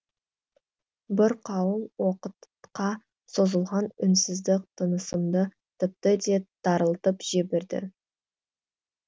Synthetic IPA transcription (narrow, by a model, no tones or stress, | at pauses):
bɪɾqʰɑwəlˠwo̞qət̪ | qɑ | so̞zəlˠʁɑnʏnsɪzd̪ɪk̚t̪ʰənəsəmd̪ə | t̪ʰɪp̚t̪əd̪e̞d̪̥ɑɾəlˠt̪əpʒ̥ebɪɾd̪ɪ̰